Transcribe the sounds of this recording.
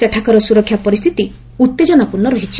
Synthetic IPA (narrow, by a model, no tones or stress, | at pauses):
aʈʰakɔɾɔsuɾɔkʰjapɔɾist̪ʰit̪i | ut̪ːed͡ʒɔnapunːɔɾɔɦit͡ʃʰi̥